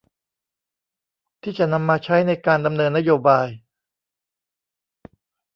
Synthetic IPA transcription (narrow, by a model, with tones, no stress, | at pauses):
t̪ʰiː˥˩t͡ɕa˨˩na˧mːaː˧t͡ɕʰa˦˥jna˧jkaː˧nda˧mnɤː˧nːa˦˥joː˧baː˧j